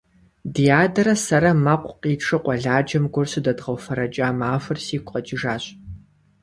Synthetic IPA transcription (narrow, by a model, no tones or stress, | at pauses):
dijaːdɐɾɐsɐɾɐmɐqʷʼqiːʈ͡ʂʰɨqʷʼɔɮaːd͡ʒɐmɡʷʊrsɨdɐdʁɐwfɐɾɐd͡ʒʼaːmaːfɨrsiːkʷqɐt͡ʃʼiʒaːɕʼ